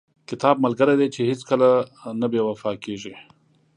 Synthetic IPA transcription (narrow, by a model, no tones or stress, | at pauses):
kɪt̪ɑb̚malɡəɾed̪et͡ʃehɪskəlanabewafɑkeʒi